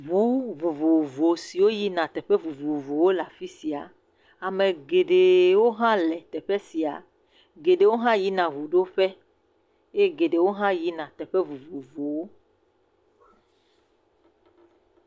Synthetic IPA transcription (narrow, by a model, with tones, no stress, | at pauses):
vu˨˦vo˨vo˨vo˨si˨wo˦ji˦nã˨t̪ɛ˨ɸɛ˦vu˨vu˨vo˨wo˦la˨fi˦si˨a̰˨ | a˨mẽ˨ɡe˨ɖe˨wo˦ɦã˦lɛ˨t̪ɛ˨ɸɛ˦si˨a̰˨ | ɡe˨ɖe˨wo˦ɦã˦ji˦nã˨vu˨ɖo˦ɸɛ˦ | e˦ɡe˨ɖe˨wo˦ɦã˦ji˦nã˨t̪ɛ˨ɸɛ˦vu˨vo˨vo˨wo˦